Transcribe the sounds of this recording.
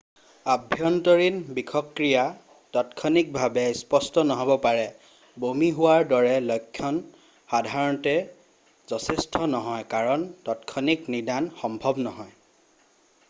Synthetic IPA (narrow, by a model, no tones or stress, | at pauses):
abʱjɔntɔɹinbikʰɔkɹija | tɔtkʰɔnik̚bʱabɛspɔstɔnɔɦɔbɔpaɹɛ | bomiɦʊwaɹdɔɹɛlɔjkʰːjɔn | xadʱaɹɔntɛ | zɔtʰɛstʰɔnɔɦɔjkaɹɔntɔtkʰɔniknidanxɔmbʱɔbnɔɦɔj